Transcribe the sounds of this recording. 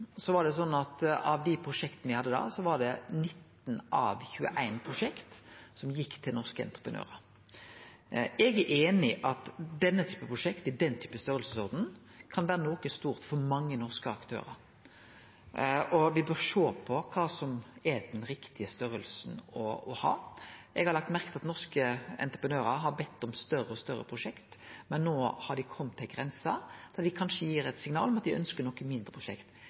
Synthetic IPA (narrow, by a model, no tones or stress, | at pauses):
sɔʋɑɾɖ̪ɛs̬ɔnːɑt̪ɑ̰ʋd̪ɪpʰɾʊʂɛkt̪ən̩ʋɪhɑd̪ːəd̪ɑ̰ːsɔʋɑɖ̪ɛnɪt̪ː | n̩ɑ̰ʋçʉːə̰ʔæɪnpʰʁʊʂɛkt̪sɔmjɪkːt̪ʰɪlnɔʁskəɛ̰nt̪ʁəpʰʁənø̰ːʁəɾ | ɛɡæʔeːnɪʔɑt̪d̪ɛnːət̪ʰyːpəpʰʁʊʂɛkt̪ɪd̪ɛnt̪ʰyːpəst̪œɾəlsəsɔʁd̪n̩ | kʰɑnʋæːɾənoːkəst̪uːɾt̪fɔɾmɑŋːənɔʁskəɑkt̪ʰø̰ːɾə̰ɾ | ɔʋɪbøːɾʂoːpʰɔkʰɑːsɔmɛd̪ɛnɾɪkt̪ʰɪəst̪œɾəlsnɔɔhɑ̰ːʔɛɡhɑɾlɑk̚t̪mæɾkə̥t̪ɑt̪nɔɾskəɛ̰nt̪ɾəpʰənøːɾəɾɦɑɾbɛt̪ːɔmst̪œɾəɔst̪œɾːə̰pʰɾʊʂɛkt̪mɛnːoːhɑɖ̪ɪkʰɔmːt̪ʰːɪlɡɾɛnsɑd̪̥æd̪ɪkʰɑnʂəjiːɾɛt̪sɪŋnɑ̰ːlɔmɑt̪̚d̪ɪœ̰nskəɾnɔkːəmɪnd̪ɾəpʰɾʊʂɛ̰kt̪